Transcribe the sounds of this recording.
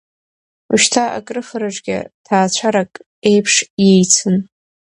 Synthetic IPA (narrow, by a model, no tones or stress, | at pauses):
uʃtʰaa̰kʼrɨfɨɾaʈ͡ʂʼɡʲa̰tʰaːt͡ɕʷʰaɾakʼ | e̞jpʰʂje̞jt͡sʰɨn